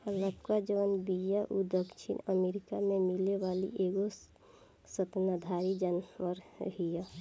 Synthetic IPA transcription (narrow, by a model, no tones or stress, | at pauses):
ələbkad͡ʒəʋənbijaʔud̪əkʃʰḭnəmeːɾɪkamẽmɪleʋaːlḭʔeːɡo | sət̪nəd̪ʱaːɾid͡ʒənʋəɾɦija